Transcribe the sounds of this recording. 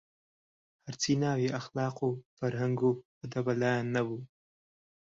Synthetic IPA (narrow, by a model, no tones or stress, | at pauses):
haɾt͡sinɑwiaxlɑːqofaɾhaŋɡo | ad̪abalɑjanːawu